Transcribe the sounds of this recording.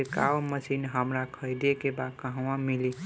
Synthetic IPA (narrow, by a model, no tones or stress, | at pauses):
eka̰məsinɦəmɾakʰəjd̪ekebakə̃ɦwãmili